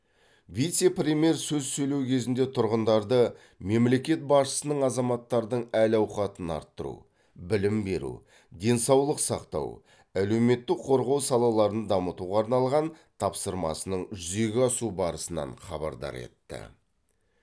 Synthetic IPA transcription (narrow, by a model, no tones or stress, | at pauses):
vijt̪se̞prʲemʲje̞ɾsɵzsɵjle̞wkʲʰe̞zɪnd̪e̞t̪ʰʊɾʁənd̪ɑɾd̪ə | me̞mle̞kʲe̞t̪̚bɑsʃə̥sənəɴɑzɑmɑt̪ːɑɾd̪əɴælɑwχɑt̪ənɑ̰ɾt̪ːəɾṵ | bɪlɪmbe̞ɾṵ | d̪e̞nsɑwlˠəqsɑqt̪ɑ̰w | æle̞wme̞t̪ːɪkqʰo̞ɾʁɑwsɑlˠɑlˠɑɾənd̪ɑmət̪uʁɑːɾnɑlˠʁɑn | t̪ʰɑpsəɾmɑ̰sənəɴʒʏze̞ɡʲɪɑsubɑɾəsənɑ̰ɴχɑbɑ̰ɾd̪ɑ̰ɾe̞̰t̪ːɪ̰